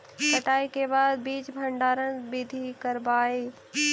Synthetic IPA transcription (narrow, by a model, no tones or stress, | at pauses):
sɐʈaːikebaːd̪̚biːt͡ʃbʱɐ̃ɳɖaːɾənbɪd̪ʱikɐɾbaːeː